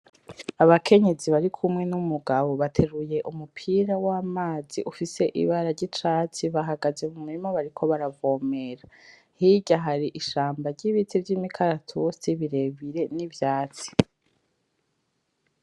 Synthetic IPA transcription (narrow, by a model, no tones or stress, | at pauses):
aβakʰe̞ɲe̞ziβaɾikʰumŋe̞numuɡaβo̞βatʰe̞ɾuje̞ʔumupʰiːɾawaːmaːzḭʔufise̞ʔḭβaɾaɾɟit͡ʃat͡siβaɦaɡazemumuɾimoβaɾikʰo̞βaɾavo̞ːme̞ɾa | hiɟaɦaɾiʔiʃaːmbaɾɟiβit͡sivɟimikʰaɾatʰusiβiɾe̞βiɾe̞nivjaːt͡si̥